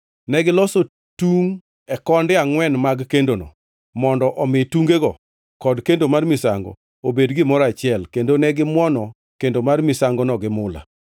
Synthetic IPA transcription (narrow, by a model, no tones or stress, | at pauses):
nɛɡɪlɔso | tuŋ | ɛkɔndɪaŋwɛnmaɡkendonɔ̰ | mɔndɔʔɔmɪtuŋɡeɡɔ | kɔdkendomarmɪsa̰ŋɡɔ̰ | obedɡɪmɔɾat͡ʃɪɛlkendonɛɡɪmwɔnɔ | kendomarmɪsaŋɡɔnɔɡɪmʊla̰